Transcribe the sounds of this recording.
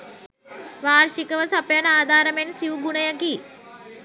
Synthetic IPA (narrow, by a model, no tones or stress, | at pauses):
ʋaːɾʃikɐʋɐsɐpjɐnaːd̪ʱaːɾɐmensiʋɡuɳɐjɐki